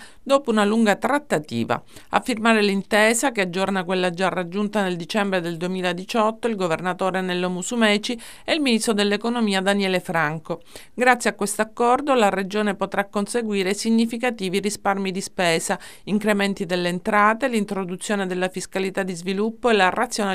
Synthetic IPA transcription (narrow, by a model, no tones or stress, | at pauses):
d̪oːpounaluŋɡat̪ɾat̪ːat̪ḭːva̰ | a̰fːirmaːɾelint̪ɛːsakead͡ʒːornakwelːad͡ʒarad͡ʒːunt̪aneld̪it͡ʃɛmbɾed̪eld̪uemiːlad̪it͡ʃɔt̪ːoilɡovernat̪oːɾenelːomusumɛːt͡ʃi | eilminist̪ɾod̪elːekonomiːad̪anjɛːlefɾaŋko | ɡɾat̪sjeakːwest̪oakːɔrd̪olared͡ʒoːnepot̪ɾakːonseɡwiːɾesiɲːifikat̪iːvirisparmid̪ispɛːsa | iŋkɾement̪id̪elːeːnt̪ɾaːt̪elint̪ɾod̪ut̪sːjoːned̪elːafiskalit̪ad̪izvilupːoelarat̪sːjoːne